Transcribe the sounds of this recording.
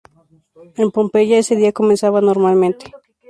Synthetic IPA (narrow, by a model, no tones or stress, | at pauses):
empompeʝaeseðiakomensaβanoɾmalment̪e̥